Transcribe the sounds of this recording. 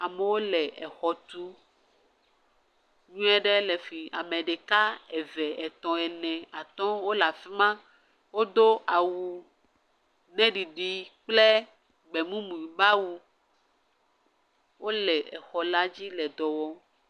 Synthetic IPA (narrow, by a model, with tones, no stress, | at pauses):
a˨mɛ˨wo˦lɛ˨ɛ˨xɔ˨t̪u˦ | ɲũ˦ɛ˦ɖɛ˦lɛ˨fi˨a̰˨me˨ɖe˨ka˦ɛ˨vɛ˨ɛ˨t̪ɔ̃˨ɛ˨nɛ̃˨a˨t̪ɔ̃˦wo˦la˨fi˦mã˦ | wo˦d̪o˦ʔa˨wu˨ | nɛ̃˦ɖi˨ɖi˨k͡ple˦ | ɡ͡bɛ˨mũ˦mũ˨i˨ba˦wu˨ | wo˦lɛ˨ɛ˨xɔ˨la˦d͡ʑi˦lɛ˨d̪ɔ˨wɔ˦